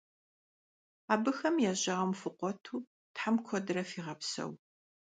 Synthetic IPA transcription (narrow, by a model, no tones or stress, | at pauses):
aːbɨxɐmjɛːʑɐʁɐmfɨqʷɔtʰuː | tħamkʷʰɔdɨɾɐfiːʁɐpsɐ̰w